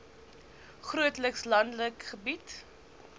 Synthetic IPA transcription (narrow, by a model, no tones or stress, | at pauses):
χruətləkslɐndləkχəbit